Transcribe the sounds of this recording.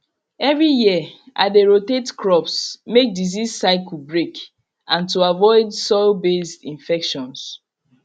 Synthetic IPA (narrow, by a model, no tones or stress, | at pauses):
ɛvɹijiə | ʔa̰deɹotetkʰɹɔpsmek̚dizissaɪkl̩bɹek | ãntuavɔɪdsɔɪlbesdĩnfɛkʃɔ̃ns